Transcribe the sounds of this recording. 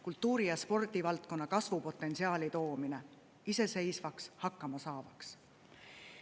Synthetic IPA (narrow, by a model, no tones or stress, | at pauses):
kult̪ːˑuːɾijɑspo̞rd̪ivɑlt̪̚ko̞nːɑkɑsvupo̞t̪ːˑe̞nsiɑːlit̪o̞ːmine̞ | ise̞se̞jsvɑkshɑkːˑɑmɑsɑːvɑks